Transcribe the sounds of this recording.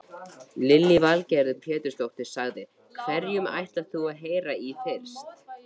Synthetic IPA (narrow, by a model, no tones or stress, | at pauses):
lɪlːivalcɛɾðʏpʰɛːt̪ʏɾ̥st̪owht̪ɪ̥saɣðɪ | kʰvɛɾjʏma̰jht̪laθuaðɦeːjɾaiθejɾ̥st̪